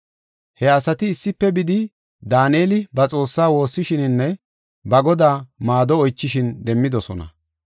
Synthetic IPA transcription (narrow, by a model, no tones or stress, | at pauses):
hɛɐsɐt̪ɪːsːɪpːɛbɪd̪ɪ | d̪aːneːlɪbɐt͡sʼo̞ːsːaːwo̞ːsːɪʃɪnɪnːɛ | bɐɡɔd̪aːmaːd̪ɔɔjt͡ʃːɪʃɪnd̪ɛmːɪd̪ɔsɔnɐ̰